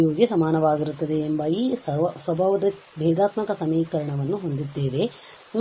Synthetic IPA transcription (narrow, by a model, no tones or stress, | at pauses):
joːɡjɐsɐmaːnɐʋaːɡiɾut̪ːɐd̪e̞ːmbɐiːssʋɐbʱaːʋɐd̪ɐ | bʱɛːd̪aːt̪mɐkɐsɐmiːkɐɾɐɳɐʋɐnːuɦo̞nd̪id̪ːeːʋe̞ | n